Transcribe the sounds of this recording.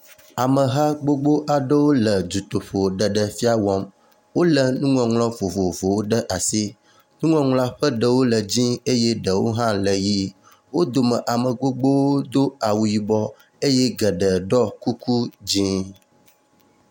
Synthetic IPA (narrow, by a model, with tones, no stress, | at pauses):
a˨mə˨ɦã˦ɡ͡bo˦ɡ͡bo˦ʔa˨ɖə˦wo˦lə˨d͡ʒu˨t̪o˨ɸo˨ɖə˨ɖə˨fi˦a˦wɔ˦m | wo˦lə˨nũ˦ŋɔ̃˨ŋlɔ̃˦vo˨vo˨vo˨wo˦ɖə˦ʔa˨si˦ | nũ˦ŋɔ̃˨ŋlɔ̃˦a˦ɸə˦ɖə˨wo˦lə˨d͡ʑĩ˦e˦je˦ɖə˨wo̰˦ɦã˦lə˨ji˦ | wo˦d̪o˨mə˨ʔa˨mə˨ɡ͡bo˦ɡ͡bo˦wo˦d̪o˦a˨wu˨ji˨bɔ˦ | e˦je˦ɡə˨ɖə˨ɖɔ˦ku˦ku˦d͡ʑĩ˦